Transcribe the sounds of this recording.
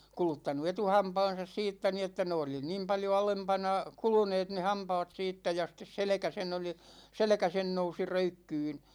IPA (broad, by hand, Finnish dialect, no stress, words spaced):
kulutːɑnu etuhɑːmpɑn̞sɑs siːtːæ ni etːæ ne oli niːm pɑljo ɑlempɑnɑ kuluneːt ne hɑmpɑːt siːtːæ jɑ sĭtˑes selĕkæ sen oli selĕkæ sen nousi røykːyːn̞